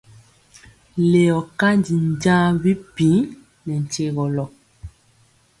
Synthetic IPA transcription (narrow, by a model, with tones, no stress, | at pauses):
le˨ɔ˨ka˦ndi˨n˨ɟã˦bi˦pi˨˦ | nɛ˨n̩˨t͡ʃe˦ɣɔ˨lɔ˨